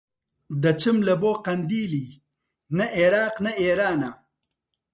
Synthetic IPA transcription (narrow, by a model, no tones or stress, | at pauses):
d̪ɐt͡ʃimlɐboːqɐnd̪iːli | nɐʔeɾaːqnɐeːɾaːna